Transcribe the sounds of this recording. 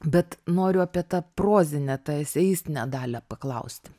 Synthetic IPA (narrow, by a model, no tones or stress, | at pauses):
bʲɛt̪noːɾʲʊɐpʲiɛt̪ɐproːzʲɪnʲɛt̪ɐɪsʲɛjiːst̪ʲnʲɛd̪ɑːlʲɛpɐklˠɐʊsʲt̪ʲɪ